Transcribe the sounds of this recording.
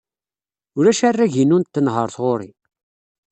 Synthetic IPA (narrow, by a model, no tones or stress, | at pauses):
ʊɾæʃærːæʝinunt̪ːənɦə̰ɾθʁoɾḭ